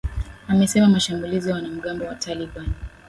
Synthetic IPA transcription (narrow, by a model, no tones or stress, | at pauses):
amɛsɛmamaʃambulizijawanam̩ɠambɔwatʰaliɓani